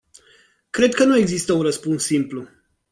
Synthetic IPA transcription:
kɾe̞d̪̚kənue̞ɡzist̪əunrəspunsːimplu

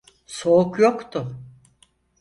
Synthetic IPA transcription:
so̞ukjokt̪ʰʊ

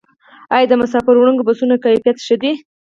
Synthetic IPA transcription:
ɑjd̪əmʊsɑfɪɾwɽəŋɡobasunakajfijat̪ʃəd̪i

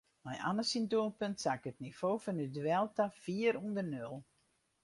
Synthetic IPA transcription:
mɛjʔa̰nəsindoəlˠpøntsakətnifoːfɔnydwɛlˠtafiəɾundərnølˠ

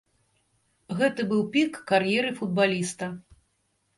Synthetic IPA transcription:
ɣɛt̪ɨbɨwpʲikːarjɛɾɨfud̪̚balʲist̪ɐ

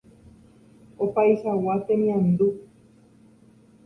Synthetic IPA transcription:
opajʃawat̪emĩãnd̪u

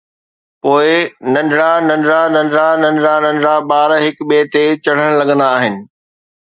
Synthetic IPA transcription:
poːɪnɐ̃ɳɖɽãnɐ̃ɳɖɾãnɐ̃ɳɖɽãnɐ̃ɳɖɽãnɐ̃ɳɖɽãɓaːɾɦɪkɓeːt̪et͡ɕɐɽ̤əɽ̃lɐɠə̃nd̪aːɦɪnɪ̆

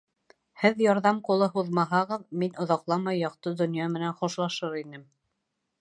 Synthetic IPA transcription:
hɘðjɑɾðɑmqulˠɤɦuðmɑɦɑʁɤðminŏðɑqlˠɑmɑjːɑqt̪ɤd̪ŏnjɑmɘ̆nænχŏʃlˠɑʃɤɾinɘm

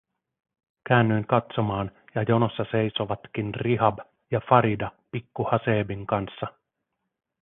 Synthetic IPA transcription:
kæːnːyjnkɑt̪so̞mɑːnjɑjo̞no̞sːɑse̞jso̞ʋɑt̪kinriɦɑb | jɑfɑɾidɑpikːuhɑseːbiŋkɑnsːɑ

